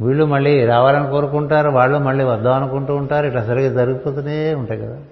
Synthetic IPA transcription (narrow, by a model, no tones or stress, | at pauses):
ʋiːɭːumɐɭːiːɾaːʋaːlɐnikoːɾukuɳʈaːɾuʋaːɭːoːmɐɭːiːʋɐd̪ːaːɐnukuɳʈuːɳʈaːɾuiʈːɐsɐɾikid͡ʒɐɾuɡup̪oːt̪uneeuɳʈaːjkɐd̪aː